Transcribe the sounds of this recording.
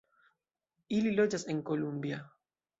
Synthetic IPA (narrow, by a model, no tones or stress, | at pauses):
ililod͡ʒaseŋkolumbja